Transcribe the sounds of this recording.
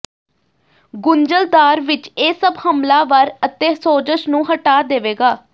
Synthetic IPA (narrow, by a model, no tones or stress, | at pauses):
ɡʊnd͡ʒəld̪aːɾʋɪt͡ʃeːsəbhəmlaːʋəɾət̪ẽːsoːd͡ʒəʃnũːɦəʈaːd̪eːʋeːɡaː